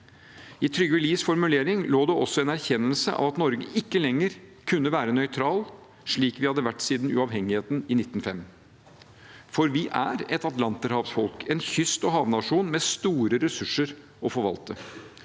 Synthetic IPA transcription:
ɪt̪ʰɾʏɡʋɪliːsfɔɾmʉleːɾɪŋloːd̪ɛɔsːɔɛnæɾçɛnːəlsəʔɑ̰ʋɑt̪nɔɾɡə̰ʔɪkːəlɛŋːəɾkʰʉnːəʋæːɾənœʏt̪ʰɾɑːl | ʂɭiːkʋɪhɑd̪ːəʋæʈːsiːd̪nʉ̰ɑːʋɦɛŋːɪheːt̪n̩ɪnɪt̪ːn̩fɛm | fɔɾʋɪʔæɾɛt̪ɑt̪lɑnt̪əɾhɑːʋsfɔlkʰɛnçʏst̪ɔɦɑːʋnɑʂuːnmɛst̪uːɾəɾɛsʉʂːəɾ | ɔfɔɾʋɑ̰lt̪ə

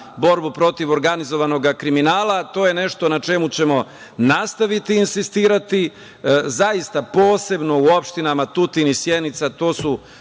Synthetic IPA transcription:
bo̞ɾbupɾo̞t̪iʋo̞ɾɡanizo̞ʋano̞ɡakɾiminaːlˠat̪o̞ːjene̞ʃt̪o̞nat͡ʃe̞mut͡ɕe̞mo̞ | nast̪aʋit̪iːnsist̪iːɾat̪i | zaist̪apo̞ːse̞bno̞uo̞pʃt̪inamat̪ut̪inisje̞d̪nit̪sat̪o̞ːsu

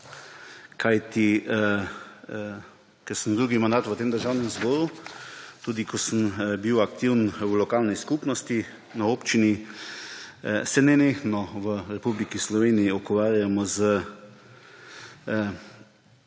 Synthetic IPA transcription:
kʰajt̪i | kɛɾsəmd̪ɾuːɡimand̪aːt̪ʋət̪eːmd̪əɾʒawnɛmzbɔːɾu | t̪uːd̪ikʰɔsəmbiwakt̪iwnwlɔkaːlniskupnɔst̪i | naoːpt͡ʃini | sɛnɛneːxnɔʋəɾɛpublikislɔʋeːnijiɔkɔʋaːɾjamɔzə

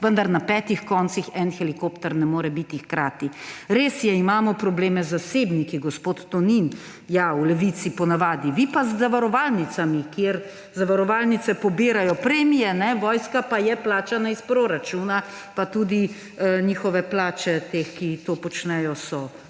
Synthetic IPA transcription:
ʋənd̪aɾnapɛːt̪ixkɔnsixɛnxɛlikopt̪ɛɾnɛmoːɾɛbit̪ixkɾaːt̪iɾeːsjɛimaːmɔpɾɔbleːmɛzaseːbnikiɡospoːt̪ːɔnin | jaulɛʋit̪sipɔnaʋaːd̪iʋipazːaʋaɾɔʋaːlnit̪samikjeɾ | zaʋaɾɔʋaːlnit̪sɛpɔbiːɾajɔpɾeːmijɛnɛʋɔːjskapajɛplaːt͡ʃanaispɾoːɾat͡ʃuːna | pat̪uːd̪i | ɲiːxɔʋɛplaːt͡ʃɛt̪eːxkit̪oːpɔt͡ʃnɛjɔsɔ

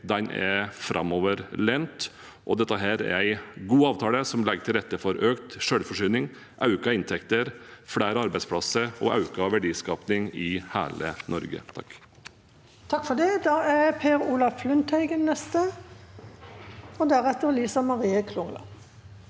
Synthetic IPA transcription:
d̪ɛnʔɛ̰ɾfɾʔɑ̰mɔːʋəɾlɛnt̪ | ʔɔd̪ɛt̪ːəɦæːɾɛ̰ɾæɪɡuːɑːʋt̪ʰɑːləsɔmlɛɡəʈ̪ʰɪlɾɛt̪ːəfɔɾøːkt̪ʂøːɽfɔʂyːnɪŋ | ʔɑʉkɑɪnt̪ʰɛkt̪əɾfɽæːɾəɑɾbæɪspʰlɑsəɾɔʔɑ̰ʉkɑʋæɖiːskɑːpnɪŋɪhæ̰ːlənɔ̰ɾɡə̰t̪ʰɑkː | t̪ʰɑkːfɔd̪ɛd̪ɑːæpʰeːɾuːlɑfflʉnt̪ʰɛɪɡənnːɛst̪ə | ɔd̪æʁɛt̪ːəʁliːsɑmɑʁiːəkʰlʊŋlɑ̰

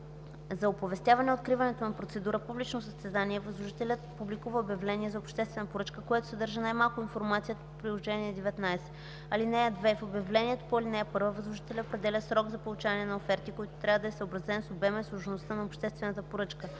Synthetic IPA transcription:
zɐopovɛst̪javɐnɛot̪kɾivɐnɛt̪onɐpɾot̪sɛd̪uɾəpublit͡ʃnosəst̪ɛzaniɛvəzlˠoʒit̪ɛlʲət̪̚publikuvəobʲjɐvlɛniɛzɐopʃt̪ɛst̪vɛnəpoɾɤt͡ʃkəkojɛt̪ʊ̥sɛd̪ɤɾʒənajmalˠkʊinfoɾmat̪sijət̪əpopɾilˠoʒɛniɛd̪ɛvɛt̪najsɛ̥ | ɐlinɛəd̪vɛfobjɐvlɛniɛt̪o̥poilinɛɛpɤɾvəvəzlˠʊʒit̪ɛlʲəopɾɛd̪ɛlʲəsɾɔɡzɐpolˠut͡ʃavɐnɛnɐofɛɾt̪ikoit̪ʊ̥t̪ɾʲavəd̪ɐɛsəobɾɐzɛnsobɛmɛslˠoʒnost̪ənɐopʃt̪ɛst̪vɛnət̪əpoɾɤt͡ʃkə

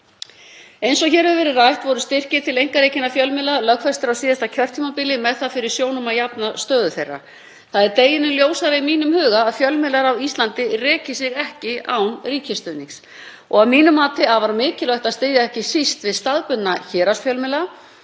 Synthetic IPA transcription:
ejnsɔçɛːɾɪvɛɾɪrajht̪vɔɾʏst̪ɪr̥cɪt̪ʰɪlejŋ̥kaɾejcɪnːafjœlmɪlalœkfɛst̪ɪɾawsiːðast̪acʰœr̥t̪ʰːiːmapiːlɪmɛðθaðfɪɾɪɾ̥sjoːwnʏmajapnast̪œːðʏθejrːa̰ | θaðɛɾt̪eːjɪnɪljoːwsaɾaimiːnʏmhʏːɣaːðfjœlmɪlaɾawist̪lant̪ɪrɛːcɪsɪɣɛhcɪawnriːcɪst̪œːniŋs | ɔɣavmiːnʏmːaːt̪ɪaðvaɾmɪːcɪlœht̪aðst̪ɪːðaɛhcɪsist̪vɪðst̪aðpʏt̪naçɛːɾasfjœlmɪla

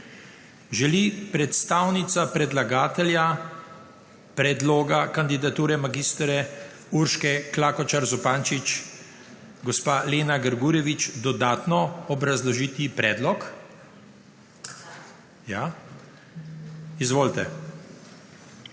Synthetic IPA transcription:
ʒɛlipɾɛt̪st̪aːwnit̪sapɾɛd̪laɡaːt̪ɛlja | pɾɛd̪loːɡakand̪id̪at̪uːɾɛmaɡist̪ɾɛ | uɾʃkɛklaːkɔt͡ʃaɾzupaːnt͡ʃit͡ʃ | ɡɔspaleːnaɡəɾɡuːɾjɛʋit͡ʃd̪ɔd̪aːt̪nɔɔbɾazlɔʒiːt̪ipɾɛd̪lɔk | ja | izʋoːlt̪ɛ

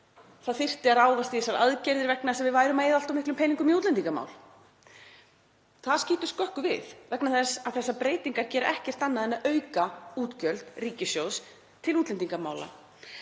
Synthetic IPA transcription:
θaðθɪr̥t̪ɪaɾaːwvast̪iɛsaɾa̰ðcɛɾðɪɾvɛknasɛmvɪðvaːjɾʏmajðalt̪ɔmɪhklʏmpʰɛjniŋkʏmiut̪lɛnt̪iŋkama̰ːwl | θaðsciːt̪ʏst̪kœhkʏvɪ̰ðvɛknaθɛsaðθɛsːapɾeːjt̪iŋkaɾcɛːɾɪʔɛhcɛr̥t̪anːaðɛnːaœːɥkauːt̪cœlt̪riːcɪsjows | t̪ʰɪluːt̪lɛnt̪iŋkama̰ːwla̰

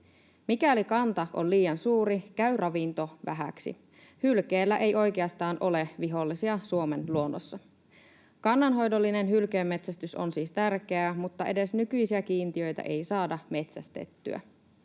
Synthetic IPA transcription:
mikælikɑnt̪ɑo̰nliːjɑnsuːɾikæyrʔɑʋint̪o̞ʋæ̰ɦæ̰ksḭ | hylkeːlːæʔe̞jo̞jk̟eɑst̪ɑːnʔo̞le̞ʋiɦo̞lːisiɑsuo̞me̞nluo̞nːosːɑ | kɑnːɑnɦo̞jdo̞lːine̞nɦylkeːmːe̞t̪sæst̪yso̞̰nsiːst̪ærk̟e̞æmut̪ːɑʔe̞de̞snykyjsiæk̟iːnt̪iø̞jt̪æ̰ʔe̞jsɑːdɑme̞t̪sæst̪e̞̰t̪ːy̰æ̰

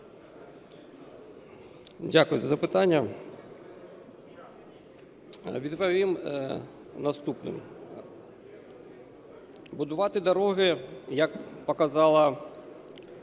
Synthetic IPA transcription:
dʲakʊjʊzɐzɐpɪt̪anʲːɐ | ʋʲid̪pɐʋʲim | nɐst̪upnɪ̰m | bʊd̪ʊʋɑt̪ɪd̪ɐɾɔɦɪjɐkpɔkɐzɑlˠɐ

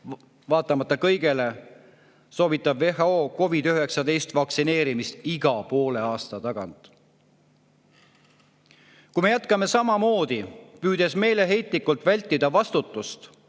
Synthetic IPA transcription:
vɑːt̪ːˑɑmɑt̪ːˑɑkɤ̞jɡe̞le̞ | so̞ːbit̪ːˑɑbve̞hɑo̞ːko̞vid̪̥yɦe̞ksɑd̪e̞jst̪vɑksine̞ːɾimist̪iɡ̥ɑpo̞ːle̞ɑːst̪ɑt̪ɑɡ̥ɑ̰nt̪ˑ | kujme̞jæt̪kɑme̞sɑmɑmo̞ːd̪̥ipyːd̪̥e̞sme̞ːle̞ɦe̞jt̪ˑlikult̪vælʲt̪ːid̪̥ɑvɑst̪ut̪ˑːust̪

